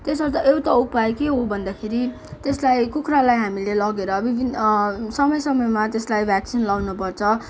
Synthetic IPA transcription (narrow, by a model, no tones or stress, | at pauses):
t̪esbʌɾt̪aʔewt̪aupajkeɦobʱʌnd̪akʰeɾi | t̪eslajkukʰralajɦamilelʌɡeɾʌbibʱinsʌmʌjsʌmʌjmat̪eslajbʱaksinlawnupʌrt͡sʰʌ